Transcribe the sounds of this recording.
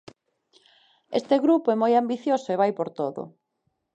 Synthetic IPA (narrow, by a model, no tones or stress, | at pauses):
est̪eɣɾupoɛmojambiθjosʊeβajpoɾt̪oðo̰